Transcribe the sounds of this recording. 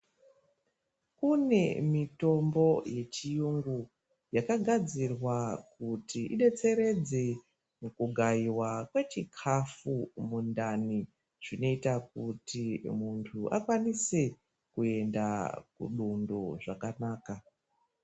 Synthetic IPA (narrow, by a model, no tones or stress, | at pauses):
kune̞mito̞mbo̞je̞t͡ʃijuŋɡu | jakaɡʱad͡zirwakutiʔḭɗe̞t͡se̞ɾe̞d͡ze | mukuɡʱaiwakwe̞t͡ʃikʰafumundani | ʐ̥ino̞itak̚utimuntʰuʔa̰kwanise | kue̞nda̰kṵɗundoʐakanaːka